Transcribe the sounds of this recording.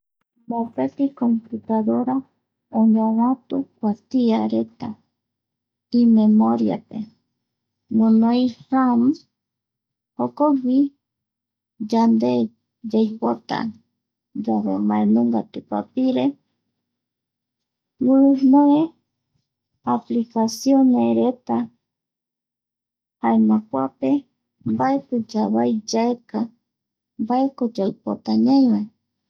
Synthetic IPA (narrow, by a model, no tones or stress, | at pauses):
mapet̪ikomput̪aðoɾa | oɲõwãt̪ukʷast̪iaɾet̪a | imemoɾja̰pe | munojrams | hokoβi | d͡ʒand̪e | d͡ʒajpot̪a̰ | d͡ʒaβḛmaẽnũŋɡat̪upa̰piɾe | munoe | aplikasioneɾet̪a | haenakʷape | mbaepɨd͡ʒaβajd͡ʒaeka | mbae̞kod͡ʒaɨpo̰t̪aɲãj̃wa